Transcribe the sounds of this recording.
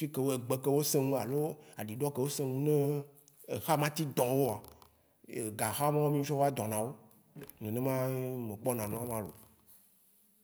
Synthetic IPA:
fi˦ke˦wo˦e˨ɡ͡be˦ke˦wo˦sẽ˦ŋũ˦a˨lo˦a̰˨ɖi˨ɖɔ˦ke˦wo˦sẽ˦ŋũ˦nẽ˦ | e˨xa˦mã˦t̪i˦d̪ɔ̃˨wo˦a˨ | e˨ɡa˨xa˦mã˦wo˦mĩ˦fɔ˦va˦d̪ɔ̃˨nã˨wo˦ | nẽ˨nẽ˦mã˦mẽ˨k͡pɔ˦nã˨nɔ̃˦a˦mã˦lo̰˨

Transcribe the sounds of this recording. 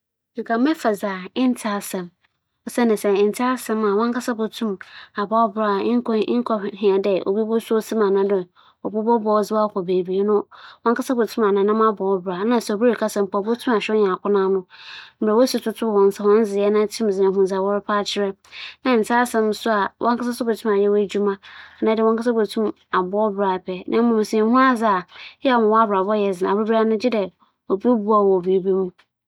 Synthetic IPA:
i˨kʰa˨˦mɛ̃˦fa˨zaː˨ɪ˦n˦tʰa˦sɛ̃˨m | ɔ˨sɛ˦nɪ̃˨sɛ˦˨n̩˨tʰa˦sɛ̃˦ma˨wɔ̃˦ŋkʰa˦sa˦bo˨tʰũ˦ma˨bɔ˦ɔ˦bɾa˨˦ŋ̩˦kʰɔ˨ɦɪ̃˨a˨dɛ˨o̰˨bi˦bɔ˦sʊ˦o˦si˦mã˨nã˨dʊ˨ | ɔ˨bu˦bɔ˦bɔ˦d͡zɪ˦wa˦˨kʰʷɔ˨be˨bi˨e˦nʊ̃˦wɔ̃˦ŋka˦sa˦bo˨tʰũ˦ma˨nã˨nã˦ma˦bɔː˨ɔ˦bɾa˨nã˨sɛ˨o˨bu˦e˨kʰa˦sã˨m̩˨pʰɔ˨bʊ˦tʰũ˦ma˨ɕᶣɔ˦ɲã˨kʰʊ˦nã˦nʊ̃˦m̩˨ba˨wo˦su˨˦tʰʊ˦tʰʊ˦˨wɔ̃˨n˨sa˨hɔ̃˦n˦zɪ˨jɛ˦nã˦tʰĩ˦m̩˨zɪ˨ã˨ɦũ˦˨za˨wɔ˦ɾɪ˦pʰa˦t͡ɕʰɪ˦ɾɛ˦nã˨n̩˨sʰaː˦sɛ̃˦m˦sʊ˦a˨wʔɔ̃˦ŋka˦sa˦sʊ˦be˨tʰũ˦ma˨jɛ˦wd͡ʑᶣu˦mã˦˨nã˨˦dɪ˨ɔ̃˦ka˦sa˦be˨tʰũ˦m | a˨bɔ˦bɾa˨pʰɛ˨nʔã˨˦mã˨m̩˨si˨a˨hũ˦a˦d͡za˨jɛ˦a˨mã˨wɔ˦a˦bɾa˨bɔ˦jɛ˨zɪ˨nã̰˨be˦ba˦nʊ̃˦d͡ʑɪ˦dɛ˨ | o˨bo˦bu˦a˨wɔ˨bi˨e˦bi˦mũ˦

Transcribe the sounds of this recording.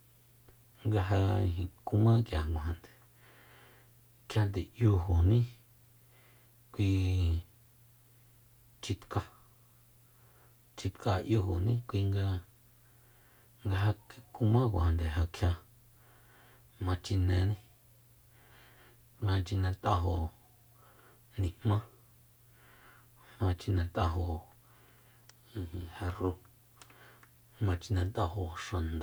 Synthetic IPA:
ŋɡa˧ɦã̰˧ɦĩ˧ku˧mã˦kja˨ŋɡõ˨ã˨nd̪e̥˨ | kʰja˧nd̪e˨ʔju˧ɦo˨nĩ˦ | kʷi˧ | t͡ʃi˧t̪ka˧ | t͡ʃi˧t̪ka˧ʔju˧ɦo˨nĩ˦kʷi˧ŋɡa˧ | ŋɡa˧ɦa˧kku˧mã˦kʷa˨a˨nd̪e˨ɦa˧kʰja˧ | mã˧t͡ʃi˧nẽ˧nĩ˦ | ɡã˧t͡ʃi˧nẽ˧t̪a˧ɦo˧ | nĩ˧hmmã˦ | mã˧t͡ʃi˧nẽ˧t̪a˧ɦo˧˨ | ĩ˧ĩ˧ha˧ru˧˦ | mã˧t͡ʃi˧nã˧t̪a˧ho˧ʂã˨nd̪a˨

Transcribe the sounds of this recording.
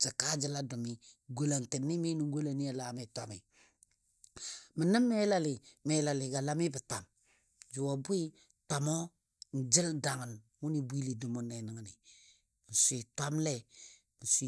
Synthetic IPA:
t͡ʃə˨ka˦d͡ʒi˦la˦du˨mi˦ɡo˦˨la˨nti˨nːi˦mi˦nu˨ŋ˦ɡo˦la˨ni˦a˨la˨˦mi˨tʷa˨mi˨ | mə˨nə˦mːe˦la˦li˨me˨˦la˨li˨ɡa˨la˦mi˦bə˨ta˨m | d͡ʒu˨wo˨bu˦i˦ | ta˨mo˦ | n̩˨d͡ʒi˦lda˨ŋə˨n | wu˦ni˨bu˦i˦li˨du˨mu˦ne˨nə˨ŋ˦ni˨ | n̩˨sʷi˨tʷa˦mle˦ | n̩˨sʷi˦

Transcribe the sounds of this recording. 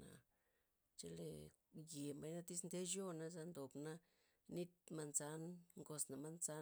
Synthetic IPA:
na̰˨ | t͡ʃe˧lḛ˨ | je˨mba˧jna˦t̪i˦snd̪e˦ʃjo˦na˧za˧nd̪o˨bna˦ | ni˦t̪̚ma˧nza˧˦nŋɡo˧sna˨ma˧nza˧˦

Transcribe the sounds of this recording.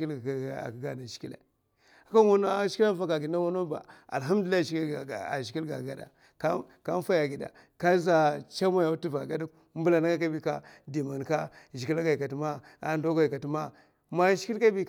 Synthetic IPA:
ki˦la̰˨kɡa˨na˨ʃi̥˨ki˦lḛ˨ | a˨˦ka˦wo˦n˦ʃi̥˦ki˦la˦fa˦ka˨ɡi˨˦a˦wa˦no˦ba̰˨a̰˨lɦa˦m˦du˨lʃa̰˨ʃi˨ki˦lɡa̰˨ɡa˨da̰˨ | ka˦ | ka˦n˦fa˦ja˨ɡi˨da̰˨ | ka˦za˦t͡ʃa˦ma˦ja˨u˦tu˦va˨ɡa˦da˦ | m˦bu˦la˨na˦ka˦ka˦bi˦ka˦di˨ma˨n˨ka˦ʒi˨ki˦la˦ɡa˨i˨ka˨tma˦ | a̰˦ndo˦ɡa˨ka˨ti˦ma˦ | ma˨˦ʃi̥˦ki˦lka˦bi˦

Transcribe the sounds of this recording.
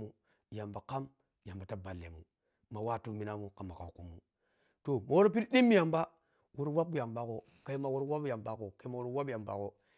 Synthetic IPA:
mu˦˨ | ja˨mba˨ka˦m | ja˨mba˨ta˦ba˨lːḛ˨mṵ˨ | ma˨wa˦˨tu˦mi˨na˦mu˦ka˨mːa˨ka̰˨ku˦mu˨ | to˨ma˨wo˦ɾp̬i˦lɗi˦mːi˦ja˨mba˦ | wu˦ɾwa˦pja˨mba˦ko˨ | ka˦i˦ma˨wu˦ɾwa˦pja˨mba˦ko˨ka˦ma˨wu˦ɾwa˦bja˨mba̰˨ko˨

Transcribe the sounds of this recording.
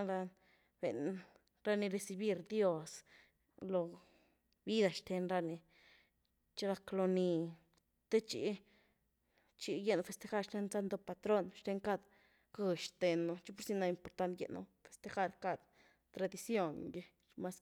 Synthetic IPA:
a˦la˧ | b̥e˨n | ɾa˦ni˧ɾe˧si˧bi˦ɾd̪jo˦s | lo˧ | bi˦d̪a˧ʃt̪e˧nɾa˧ni˧ | t͡ʃe˦ɾa˧klo˧ni˧ | t̪e˦t͡ʃḭ˧˦ | t͡ʃi˧je˧˦no˧fe˧st̪e˧xa˦ɾʃt̪e˧˦nza˦nd̪o˧pa˧t̪ɾo˦˧nʃt̪e˧ŋka˦˧d̪ | kɨ˧ʃt̪e˧nːo˧t͡ʃi˦po˦ɾsi˧na˧i˧mpo˧ɾt̪a˦nt̪jḛ˧ʔnṵ˧fe̥˨st̪e˧xa˦˧ɾka˧d̪ | t̪ɾa˧d̪i˧sjo˧ŋɡe˧ | ma˧s

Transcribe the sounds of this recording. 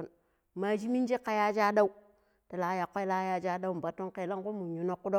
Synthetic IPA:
n | ma˨d͡ʒi˦mi˦n˦d͡ʒi˦kːa˦ja˦d͡ʒa˦da˦u˦ | ta˨la˨˦ja˨kʷːo˦jla˦ja˦d͡ʒa˦da˦u˦m˨ba˨tːo˦ŋke˨la˦ŋku˦mu˨ɲu˨no˦kːu˦do˦

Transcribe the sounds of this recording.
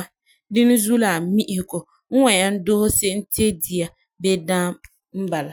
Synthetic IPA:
a˦ | dɪ˦nɪ˦zu˦la˨mi˦ʔɪ˦hɪ˨ko˨ | ŋ̩˦wa˨ɲa˦n̩˦do˦ho˦se˦n̩˦te˦di˨a˨ | be˦dãː˦ | m̩˦ba˨la˨

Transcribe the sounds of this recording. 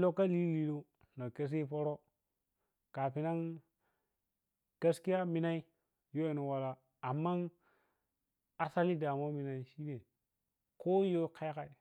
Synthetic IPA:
lo˦kːa˦li˦li˨lo˦ | na˨ke˦s̬i˦po˦ɾo˦ | ka˨pi˨na˦ŋ | ta˦ski˦a˦mi˨na˦i˦ | jo˦e˨no˨wa˨la˨ | a˨mːa˦n | a˨sa˦li˦da˨mo˦mi˨na˨i˦ʃi˦ne˨ | ko˦jo˦ka˦jka˨i˨

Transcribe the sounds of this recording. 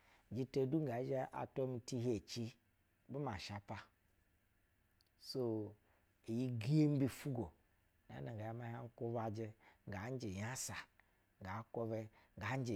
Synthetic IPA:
d͡ʒi˦te˦du˦ŋ˦a˨˦d͡ʒe˦ʔa̰˨to˦mi˧ti˦ɦe˨t͡ʃi˦ | bi˦ma˨ʃa˨pa˦ | so˦ | e˨ji˦ɡi˦e˦m̩˦bi˦fu˦ɡo˨ | na̰˨˦na˨ɡa˨ja˨˦ma˦ha˦ŋ̩˦ko˦βa˨d͡ʒe˦ŋ˨ɡa˨˦n˦d͡ʒe˨ja˦sa˨ | ŋ˨ɡa˨˦ko˧βe˧ŋ˨ɡa˨˦n˦d͡ʒe˨

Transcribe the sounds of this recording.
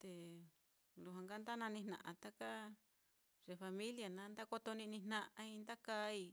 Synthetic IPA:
t̪e˧ | lu˨ɦã˧ŋɡa˦nd̪a˦nã˧nĩ˧nnã̰˨ʔã̰˧t̪a˦ka˦ | ʐe˧fa˧mĩ˦lja˨nã˨˦nd̪a˦ko˧t̪o˧nĩ˧nĩ˧nnã˧ʔã˧i˧nd̪a˦ka˧˦i˧

